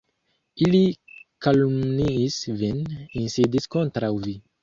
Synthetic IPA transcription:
ilikalumniːsveninsidiskontɾawvi

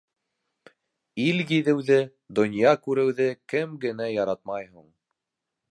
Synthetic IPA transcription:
iljiðɘ̆wðɘ | d̪ŏnʲjɑkʉɾɘ̆wðɘkɘmɡɘ̆næjɑɾɑt̪̚mɑjɦuɴ

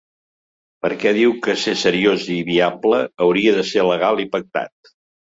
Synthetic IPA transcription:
pəɾkɛðiwkəsesəɾioziβiabləːwɾiəðəseləɣ̞alˠipək̚t̪a̰t̪̚

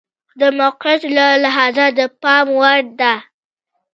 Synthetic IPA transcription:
d̪əmʊqɾɪt̪lalaɦɑzad̪əpɑmwaɾd̪a

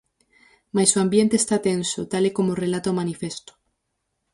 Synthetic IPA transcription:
majsoambjent̪eːst̪at̪ensot̪alekomorelat̪omanifest̪o̥

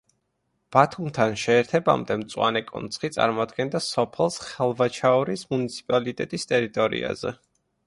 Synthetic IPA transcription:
b̥at̪ʰumt̪ʰanʃɛːɾt̪ʰɛba̰md̪ɛmt̪sʼwa̰nɛkʼɔ̰nt̪sʰχit̪sʼa̰ɾmɔad̪ɡɛnd̪asɔpʰɛlˠsχɛlˠvat͡ʃʰaɔɾismunit̪sʰi̥pʼalit̪ʼɛt̪ʼist̪ʼɛɾit̪ʼɔɾḭa̰zɛ̰

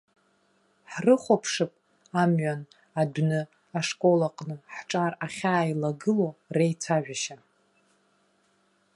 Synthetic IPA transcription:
ħrɨχʷapʰʂɨpʼ | amɥan | adnɨ | aʂkʼo̞laqʼnɨħʈ͡ʂʼaraχʲaːilaɡɨlo̞rejt͡sʰaʒᶣʷaʃa

